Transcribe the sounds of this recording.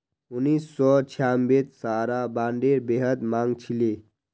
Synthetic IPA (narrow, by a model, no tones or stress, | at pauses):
unːisːɔt͡ʃʰjambet̪saːɾabaːɳɖeɾbeɦəd̪maŋɡt͡ʃʰile